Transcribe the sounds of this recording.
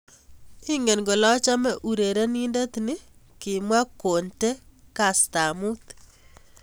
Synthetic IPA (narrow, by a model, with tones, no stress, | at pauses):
ɪ˦ŋe˨nɡo˨lɔ˦t͡ʃa˦mɛ˦ʔu˨ɾe˨ɾe˦ni˦nde˦t̪nɪ˦ | kɪ˨mwa˦ko˨nte˦ka˨sta˨mu˦t̪